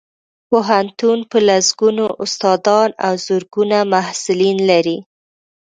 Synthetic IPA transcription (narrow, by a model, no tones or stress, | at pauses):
poɦant̪unpəlasɡunoʔʊst̪ɑd̪ɑna̰wzʊɾɡunamahsʊlinlaɾi